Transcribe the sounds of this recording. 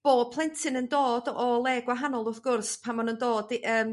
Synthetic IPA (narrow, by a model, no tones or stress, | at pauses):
b̥oːpʰlˠɛntʰɪnəndoːdɔlˠɛɡwaɦanɔlˠʊrθɡ̥ʊrspʰamanəndoːdəːm